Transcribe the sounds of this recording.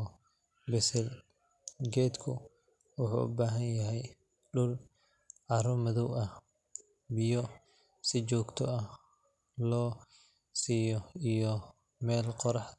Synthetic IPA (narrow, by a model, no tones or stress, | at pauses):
bɛsɛl | ɡɛːd̪kʰʊ̰ | wʊħṵʔʊ̰baːɦɐnjɐɦɛj | ɖʊl | ʕɑɾɔmɐðɔwɐh | bɪjɔ | sɪt͡ʃɔːɡt̪ʰɔɐ | lɔː | siːjɔijɔ | mɛːlqɔɾɑħ